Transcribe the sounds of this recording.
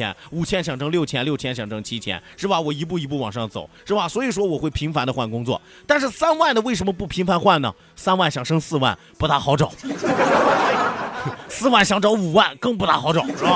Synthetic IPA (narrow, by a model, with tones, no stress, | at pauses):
ɛ̰˥nu˨˩t͡ɕʰjɛ˥nɕjɑ˨˩ŋʈ͡ʂɤ˥ŋljʊt͡ɕʰjɛ˥nljo˥˩ʊt͡ɕʰjɛ˥nɕjɑ˨˩ŋʈ͡ʂɤ˥ŋt͡ɕʰi˥t͡ɕʰjɛ̰˥nʂɻ̩˥˩ba˩wɔ˨˩i˧˥p̬u˥˩i˧˥p̬u˥˩wɑ˨˩ŋʂɑ˥˩ŋt͡so̰˨˩˦ʊʂɻ̩˥˩ba˨˩swɔ˧˥i˨˩ʂwɔ˥wɔ˨˩xwe˥˩ɪpʰi˧˥ŋfa˧˥nd̪ə˧xwa˥˩nkʊ˥ŋt͡swɔ̰˥˩ | t̪a˥˧nʂ̬ɻ̩˥˩sa˥nwa˥˩nd̪ə˩we˥˩ɪə˧˥nmə˧pu˥˩pʰi˧˥ŋfa˧˥nxwa˥˩nnə̰˩ | sa˥nwa˥˩nɕjɑ˨˩ŋʂɤ˥ŋsɹ̩˥˧wa̰˥˩n | pu˧˥t̪a˧˥xɑ˧˥ʊʈ͡ʂo˨˩˦ʊ˥ | sɹ̩˥˧wa˥˩nɕjɑ˧˥ŋʈ͡ʂɑ˧˥ʊu˨˩wa˥˩nkɤ˥˧ŋp̬u˥˩t̪a˧˥xɑ˧˥ʊʈ͡ʂo˨˩˦ʊ˥˩ba˧